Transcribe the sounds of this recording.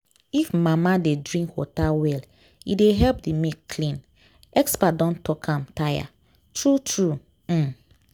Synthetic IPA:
ifmamadedɹĩŋkwɔ̰tawɛl | ideɦɛlp̚dimekkʰlĩn | ɛkspadɔ̃ntɔkʰãmtaja̰ | tɹutɹu | m̩

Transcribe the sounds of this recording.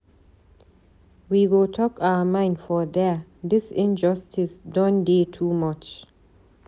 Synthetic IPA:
wiɡotʰɔkʰaəmãɪ̃ndfɔd̪ɛd̪ɪsɪ̃nd͡ʒʌstisdɔ̃ndetʰuːmat͡ʃ

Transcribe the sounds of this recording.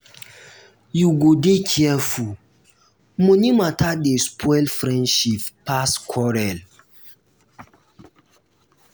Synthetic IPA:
juɡodekʰiɛfu | mõnimãtʰadespʰɔjlfɾɛ̃ndʃippːaskʰɔɾɛl

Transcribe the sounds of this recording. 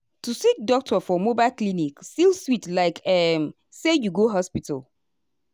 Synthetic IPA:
tusik̚dɔk̚tʰɔfɔmobaɪlklinikstilswitlaɪkɛm | sejuɡoɦɔspita̰l

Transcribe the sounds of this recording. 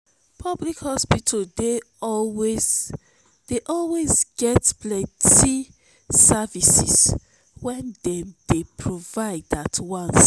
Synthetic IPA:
pʰɔblikhɔspitʰade | ɔwe | d̥eʔɔlwezɡɛtblɛ̃nti | savisḭs | wɛ̃ndɛ̃md̥epʰɹovaɪdatwãns

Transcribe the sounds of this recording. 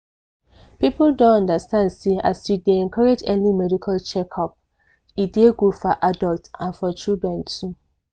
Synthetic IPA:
pipuldõnɔ̃ndastãndsea̰sudeɛ̃nkʰɔɹed͡ʒɛ̃nlimɛdikʰalt͡ʃɛkʰɔp̚ | ideɡofɔʔadɔltãnfɔt͡ʃidɹɛ̃ntʰu

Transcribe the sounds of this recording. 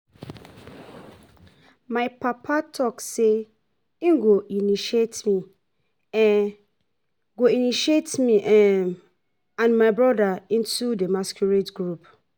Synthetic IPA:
mãɪpapʰatʰɔkse | iŋɡoʔiniʃietmĩ | ɛ̃ | ɡoiniʃietmĩʔɛm | ãnmãɪbɹɔdaĩntʰudemaskjuɹetɡɹup

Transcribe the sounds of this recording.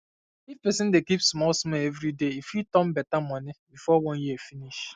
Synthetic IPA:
ifpɛsɪ̃ndekipsmɔlsmɛlevɾideifitɔ̃m̩bɛtamɔnɪbifɔwɔ̃njifiniʃ

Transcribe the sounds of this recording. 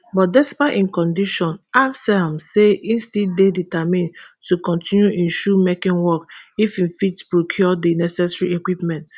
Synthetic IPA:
bɔt̚dɛspaʔĩnkɔ̃ndiʃɔ̃nasɛmseĩnstideditamĩn | tukɔ̃ntĩnjuʔĩnʃumekĩnwɔkifĩmfitpɹokʰjɔdinɛsɛsɹiekwipmɛ̃nt

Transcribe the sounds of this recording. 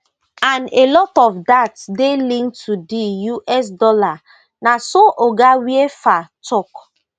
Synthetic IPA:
anelɔtɔfdatsdelĩntʰudijuʔɛs̬dɔla | nasoʔoɡawiefatʰɔk

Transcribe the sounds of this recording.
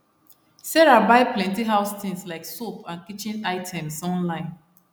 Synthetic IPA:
sɛɹabaɪplɛ̃ntiɦaʊst̪ĩŋslaɪksopãnkit͡ʃĩnaɪtʰɛ̃msɔ̃nlãɪ̃n

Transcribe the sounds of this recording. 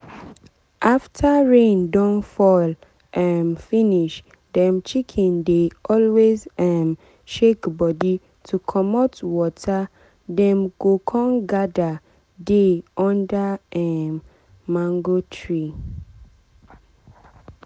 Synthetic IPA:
ʔaftʰaɹẽndɔ̃nfɔl | ʔãnfiniʃ | dɛ̃mt͡ʃikʰĩndeʔɔlwezam | ʃekbɔdi | tʰukʰɔmatwɔtʰa | dɛ̃mɡokʰɔ̃nɡada | deɔ̃ndaɛː | ãŋɡotʰɹi

